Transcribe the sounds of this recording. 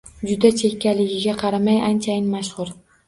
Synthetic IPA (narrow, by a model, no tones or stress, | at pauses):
d͡ʒʊd̪at͡ʃʰe̞kʲːalɪɡʲɪɡʲaqʰɑɾamajant͡ʃʰajɪnmaʃhʊɾ